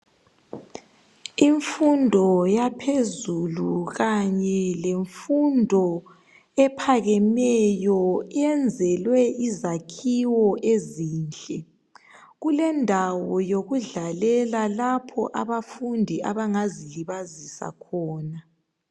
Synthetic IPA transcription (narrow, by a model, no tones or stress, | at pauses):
iɱfundʱɔjapʰezuluɣaɲɛleɱfundʱɔ | ɛpʰaɣɛmɛjɔiɛnd͡zʱɛlwɛʔizakʰiwɔʔeziːnt͡ɬʼɛ | ɣulɛndʱawɔjoɣuɮalɛlalapʰɔ̰ʔa̰βafundʱiʔa̰βaŋaziliβazisa̰kʰɔːna